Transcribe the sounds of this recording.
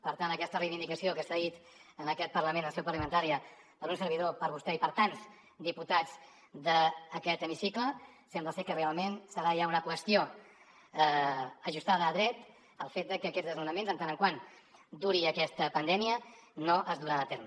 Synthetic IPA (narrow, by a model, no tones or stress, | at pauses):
pəɾt̪anəkɛst̪ərejβind̪ikəsiokəsaðit̪ | ənəkɛt̪̚pəɾləmẽnəsewpəɾlimənt̪aɾiə | pəɾunsəɾβ̞iðopəɾβust̪ɛipəɾt̪anz | d̪iput̪ad͡z | d̪əːkɛt̪əmisiklə | sɛmbləsɛkərealˠmensəɾajaunəkwəst̪ijo | əʒust̪aðəːðɾɛt̪ | əlˠfet̪̚d̪əkəːkɛd͡zzðəzmunəmenzənt̪anəŋkwan | d̪uɾiəkɛst̪əpənd̪ɛmiənoʔəzðuɾaðət̪ɛɾm